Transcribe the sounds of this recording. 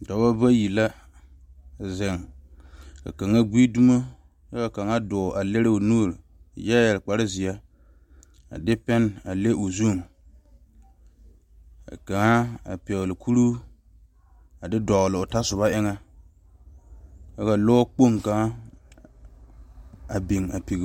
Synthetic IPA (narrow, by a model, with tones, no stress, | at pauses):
dɔ˨˦ba˦ba˦ji˨la˦˨ | zɛ˨ŋ | ka̰˨ka˨ŋa˦ɡi˦du˦mo˦ | ja˦ka˨ka˨ŋa˦dʊ˨ʔa˨le˦ɾɪ˦o˨nuː˦˨ɾ | jɛ˦jɛ˨lk͡pa˨ɾɪ˦zɪ˨a˦ | a̰˨dɪ˦pɛ˦na˨le˦ʔo˨zu˦˨m˨ | ka̰˨ka˨ŋa˦a̰˨pɛ˨ɣlɪ˨kʰu˦ɾu˦ | a˨dɪ˦dɔ˨ɣlɪ˨ʊ˨ta˦sʊ˨βa˦ʔɪ˦ŋa˦ | ka˦ka˨lo˦k͡po˦ŋka˨ŋa˦ | a˨bi˨ŋa˨pi˨ɣ